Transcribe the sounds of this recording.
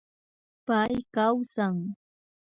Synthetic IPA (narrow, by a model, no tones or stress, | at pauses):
pajkawsaŋ